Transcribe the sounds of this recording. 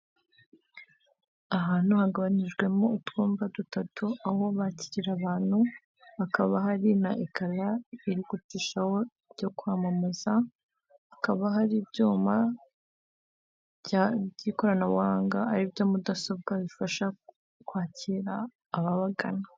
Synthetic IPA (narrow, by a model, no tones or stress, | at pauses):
aɦaːn̥huhaɡaβaɲiʒɡwe̞moutɡuːmbadutatuaho̞βaciɾiɾaβaːn̥hu | akaβaɦaɾinaʔikʰalaiɾiɡutiːʃaho̞ | ɾɟo̞kwaːmamez̥aː | kaβaɦaɾibɟuːma | aɟiːko̞ɾanaβwaːŋɡaːɾibjo̞mudaso̞b̚ɡaβifaʃa | kwaːciɾaː | βaβaɡa̰na